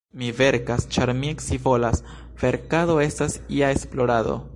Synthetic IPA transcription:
mive̞ɾkast͡ʃaɾmieksivolas | ve̞ɾkado̞e̞stasiae̞splo̞ɾado̞̰

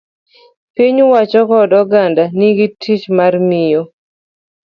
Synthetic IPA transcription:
piɲwat͡ʃɔkɔdɔɡandaniɡitʰit͡ʃmarmɪjo

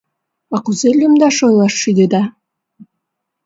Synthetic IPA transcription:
ɑkuzelʲumd̪ɑʃojlˠɑʃːid̪ed̪ɑ

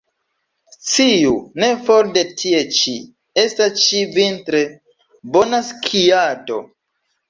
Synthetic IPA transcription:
t͡siune̞foɾde̞tʰie̞t͡ʃi | e̞stast͡ʃivintɾe̞ | bonaskʰiado̞̰

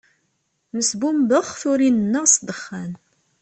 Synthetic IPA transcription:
məsbumbəχθʊɾinənːəʁsd̪əχːæn

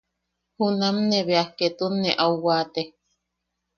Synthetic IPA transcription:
hunamneβeahket̪unːeʔauwaːt̪e

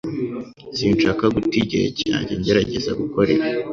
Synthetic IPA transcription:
siːnʃakaɡutiɟḛɾḛca̰ːɲɟeɲɟe̞ɾaɟe̞za̰ɡuko̞ɾe̞̰ɾa

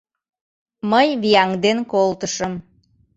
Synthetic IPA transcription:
məjβiɑŋd̪enkolt̪əʃəm

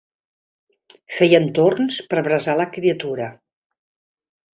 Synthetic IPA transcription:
fejənt̪ornspəɾβɾəzaləkɾiət̪uɾə

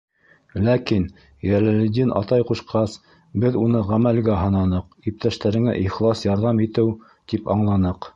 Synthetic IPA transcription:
lækin | jælɘ̆lɘ̆d̪ʲinʔɑ̰t̪ɑjquʃqɑs | bɘðunɤʁæmælɡæɦɤ̆nɑnɤq | ip̚t̪æʃt̪æɾɘ̆ŋæ̰ʔiχlˠɑsjɑɾðɑmit̪ɘw | t̪ipɑ̰ɴlˠɑnɤq

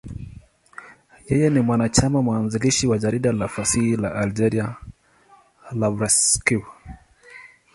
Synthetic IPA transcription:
jɛjɛnimwanat͡ʃamamwanziliʃiwad͡ʒaɾiɗalafasihilaʔald͡ʒɛɾia | lavɾaskiw

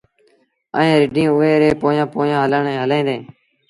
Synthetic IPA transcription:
ə̰ẽːɾɪɖĩːʊɦeːɾeːpoːjãːpoːjãːɦələɳẽːɦəlẽːd̪ẽː

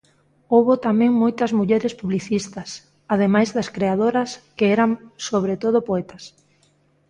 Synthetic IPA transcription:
owβot̪amɛ̃ŋmojt̪ɐzmuʎɛɾɪspuβliθist̪ɐs | aðemajzðɐskɾeað̞oɾɐskɪɛɾaŋsoβɾet̪oð̞ʊpoɛt̪ɐs

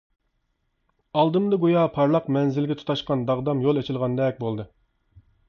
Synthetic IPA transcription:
ɑlˠd̪ɨmd̪ɨɡojɑpʰɑɾlˠɑqmɛnzɪlɡʲɛt̪ʰu̥t̪ʰɑʃqɑnd̪ɑʁd̪ɑmjolˠet͡ʃʰɪlˠʁɑnd̪ɛk̚ʲbolˠd̪ɨ

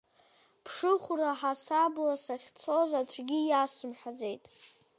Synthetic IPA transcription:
pʰʂɨχʷuraħasablasaχʲt͡sʰo̞zatʷʰɡʲijasɨmħad͡ze̞jtʼ

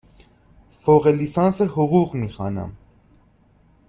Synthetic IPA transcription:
fɔʁɛlisɑnsəhuʁuʁmiχɑ̰nɑ̰m

